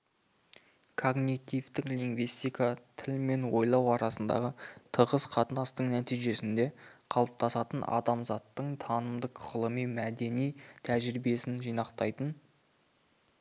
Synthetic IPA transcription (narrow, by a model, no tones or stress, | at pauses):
kʰo̞ɡnit̪ivt̪ɪkliŋɡvist̪ijkat̪ʰɪlme̞nwo̞jlˠɑwɑɾɑsənd̪ɑ̰ʁət̪ʰəʁəsqʰɑt̪ənɑst̪əɴnæt̪ijʒe̞sɪnd̪e̞qʰɑlˠəp̚t̪ʰɑsɑt̪ənʔɑ̰d̪ɑmzɑt̪ːəɴt̪ʰɑnəmd̪əqʁ̥əlˠəmijmæd̪e̞nijt̪ʰæʒɾibie̞sɪnʒijnɑqt̪ɑjt̪ən